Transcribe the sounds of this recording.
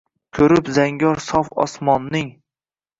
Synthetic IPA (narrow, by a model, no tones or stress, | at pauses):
kʲʰɵɾɪpzaŋɡʲɒɾsɒfɒ̰smɒnːɪŋ